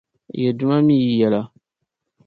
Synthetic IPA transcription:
jɛ˨dʊ˦ma˦miː˦˨jɛ˨la˦

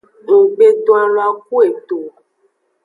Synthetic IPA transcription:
no˨ɡ͡be˦t̪ɔ˦a˦lo˦a˦k̚u˦e˨t̪o˨

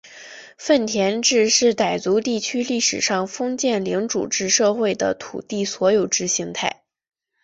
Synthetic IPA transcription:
fə˥˩nt̪ʰjɛ˧˥nʈ͡ʂɻ̩˥˧ʂɻ̩˥˩t̪a˨˩ɪt͡su˧˥t̪i˥˩t͡ɕʰy˥li˥˩ʂɻ̩˨˩ʂɑ˥˩ŋfɤ˥ŋt͡ɕjɛ˥˩nli˧˥ŋʈ͡ʂṵ˨˩ʈ͡ʂɻ̩˥˧ʂɤ˥˧xwe˥˩ɪd̪ə̰˩t̪ʰṵ˨˩t̪i˥˩swɔ˧˥jo˨˩ʊʈ͡ʂɻ̩˥ɕi˧˥ŋt̪ʰa˥˩ɪ

